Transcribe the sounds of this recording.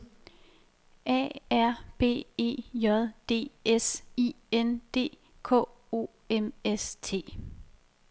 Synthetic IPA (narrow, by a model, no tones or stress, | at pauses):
ʔɛ̰ːæɐ̰b̥e̝̰ːe̝̰ːjɒðˠd̥e̝̰ːesi | end̥e̝̰ː | kʰɔ̰̽ː | o̝̰ː | emest͡sʰe̝̰ː